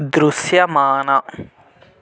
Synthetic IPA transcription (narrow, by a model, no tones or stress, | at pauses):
d̪ɾusjɐmaːnɐ